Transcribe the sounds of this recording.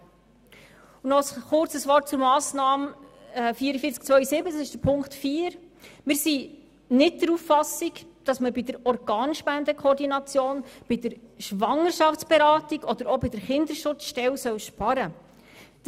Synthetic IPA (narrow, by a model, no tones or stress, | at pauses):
unɔsχʊrt͡səsʋɔrt̚t͡sʊɾmɑːsnɑːmː | fiːəɾəfiːɾt͡sk̚t͡sʋœʏəsɪbət͡ssɪʃd̥əɾpʰʊŋktfiːəɾ | mɪːɾsi | nɪt̚dəɾufːɑsikd̥ɑsməbidəɾɔɾɡɑːnʃpændəkʰχɔːɾdinɑt͡sjoːnb̥ɪdəɾʃʋɑŋəɾʃɑftt͡sb̥ɛɾɑːtiɡɔd̥̪əɾɔbid̥əɾχɪnd̪əɾʃʊt͡sʃtɛwsœwʃpɑɾə